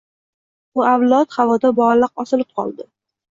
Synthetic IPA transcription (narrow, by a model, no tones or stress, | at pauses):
ʊawlˠɒt̪χavɒd̪abɒlɨq̚ɒsɪlɪp̚qʰɒ̰lˠd̪ɪ